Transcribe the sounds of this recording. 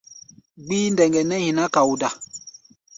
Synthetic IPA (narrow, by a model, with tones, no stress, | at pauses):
ɡ͡biː˦ndɛ˨ŋɡɛ˨nɛ˦hĩ˨na˦ka˨wu˨da˨